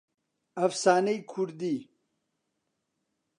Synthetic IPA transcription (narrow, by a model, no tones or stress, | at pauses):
ɐfsaːnəjkʰuɾd̪i